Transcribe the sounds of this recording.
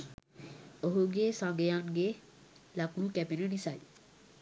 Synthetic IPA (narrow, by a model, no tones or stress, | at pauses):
oɦuɡeːsãŋɡejaŋɡe | lakuːkæpinənisaj